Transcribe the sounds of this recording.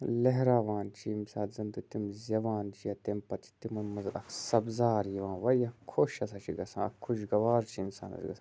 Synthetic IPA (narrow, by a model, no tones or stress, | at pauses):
lɐɦɾaːʋaːnt͡ʃʰimsaːzɐnd̪ut̪imzʲɐʋaːnt͡ʃijɐt̪empɐt͡ʃʰi̥t̪imɐnmɐzɾʔɐ̰ksɐbzaːɾjiʋãːnʋɐjɐkʰoʃɐs̬at͡ʃʰiɡɐsãːɐ̰kʰuʃɡɐʋaːɾt͡ʃʰimsa̰ːnɐ̰t͡ʃḭɡɐsã